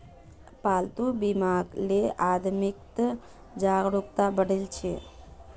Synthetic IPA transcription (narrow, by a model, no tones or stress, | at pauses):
palt̪ubimaɡlead̪mik̚t̪ə | d͡ʒaɡɾukt̪abəɽelt͡ʃʰe